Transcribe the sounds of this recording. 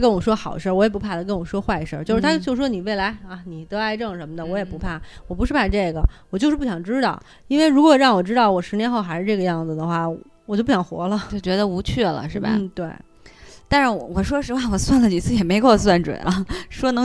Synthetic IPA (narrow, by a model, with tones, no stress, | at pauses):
kə˥nwɔ˨˩ʂwɔ˥xɑ˨ʊd̪ə˦ʂə˞˥˩wɔ˧˥jɛ˨˩pu˧˥pʰa˥˩d̪ə˩kə˥nwɔ˨˩ʂwɔ˥xwa˥˩ɪ˦ʂə̰˞˥˩˧t͡ɕjʊʂɻ̩ʰ˥˩a˥t͡ɕo˥˧ʂɻ̩˥˩wɔ˥ni˨˩we˥˩ɪla˧˥ɪa˧˩ni˨˩t̪ɤ˧˥a˧˥ɪʈ͡ʂɤ˥˩ʊ˩ʂə˧˥nmə˧d̪ə˨wɔ˧˥jɛ˨˩pu˧˥pʰa˥˩wɔ˨˩pu˧˥ʂɻ̩˥˧pʰa˥˩ʈ͡ʂɤ˥˩ɡə˩wɔ˨t͡ɕo˥˧ʂɻ̩˥˩pu˥˩ɕjɑ˨˩ŋʈ͡ʂɻ̩˥t̪ɑ˥˩ʊ | i˥nwe˥˩ɪɻu˧˥kwɔ˨˩ɻɑ˥˩ŋwɔ˨˩ʈ͡ʂɻ̩˥t̪ɑ˥˩ʊwɔ˨˩ʂɻ̩˧˥njɛ˧˥nxo˥˧ʊxa˧ɪʂɻ̩˥˧ʈ͡ʂɤ˥˩ɡə˩jɑ˥˩ŋd͡zɹ̩˩d̪ə˩xwa˥˩ | wɔ˨˩t͡ɕo˥˧p̬ɕjɑ˨˩ŋxwɔ̰˧˥lə˨t͡ɕo˥˩t͡ɕɥɛ˧˥d̪ə˧u˧˥t͡ɕʰɛ˥˩lə̰˩ʂɻ̩˥˩bɐ̰n˩˥˩t̪we˥˩ɪ | t̪a˥˧nʂɻ̩˥˩wwɔ˨˩ʂwɔ˥ʂɻ̩˧˥wa˥˩wɔ˨˩swa˥˩nlə˩t͡ɕi˨˩t͡sʰɹ̩˥˩˨jɛ˨˩me˧˥ɪkʊws̬wa˥˩nʈ͡ʂwə̰˨˩nʔɐ˧˩ʂwɔ˥nɤ˧˥